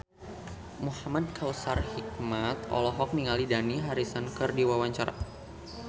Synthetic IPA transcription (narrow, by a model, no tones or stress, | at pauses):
muhamad̚kʰawsarhik̚mat̪ɔ̰lɔɦɔk̚niŋalidaniɦaɾisankɨrdiwawaɲt͡ʃaɾa̰